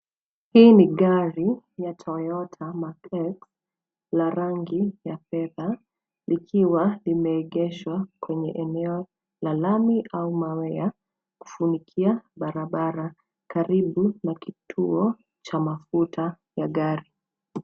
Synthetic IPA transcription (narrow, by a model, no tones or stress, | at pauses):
hiːniɠaɾijatʰɔjɔtʰamakɛks | laɾaŋɡijafɛða | likʰiwalimɛːɠɛʃwakwɛɲɛʔɛnɛɔ | lalamiʔaumawɛa | ku̥funikʰiaɓaɾaɓaɾa | kaɾiɓunakitʰuɔ | t͡ʃamafutʰa | jaɠaɾi